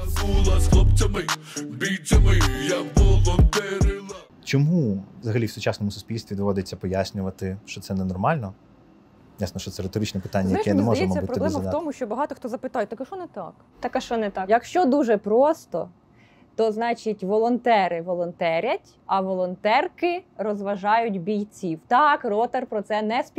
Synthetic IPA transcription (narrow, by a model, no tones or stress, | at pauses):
bulˠɐslˠɔp̚t͡sʲɐmɪbʲit͡sʲɐmɪjaʋɔlˠɔnt̪ɛɾʲɪlˠɐ | t͡ʃɔmuʋzɐɦɐlʲiwsʊt͡ʃasnɔmʊsʊsʲpʲilʲst̪ʋʲid̪ɔʋɔd̪et͡sʲːɐpɔjasʲnʲʊʋɐt̪ɪʃt͡ʃɔt̪sɛnɛnɔrmɑlʲnɔ | jasnɔʃt͡ʃɔt̪sɛɾet̪ɔɾɪt͡ʃnɛpɪ̥t̪anʲːɐjɛʃkɛnmɛmɔɐjɛmɔbʲsʲɐtpɾɔb̪lɛɛmɐft̪ɔmʊʃt͡ʃɔbɐɦɑt̪ɔxt̪ɔzɐpɪt̪ɑjɛt̪ɐkɐʃɔnɛt̪ɑ̰k | t̪ɐkɐʃɔnɛt̪ɑjɐkʃt͡ʃɔd̪uʒɛpɾɔst̪ɔ̰ | t̪ɔznɑt͡ʃitʲʋɔlˠɔnt̪ɛɾɪʋɔlˠɔnt̪ɛɾʲɐtʲ | ɐʋɔlˠɔnt̪ɛrkɪɾɔzʋɐʒɑjʊtʲbʲijt͡sʲiwt̪ɑkrɔt̪erpɾɔt̪sɛnɛspʲ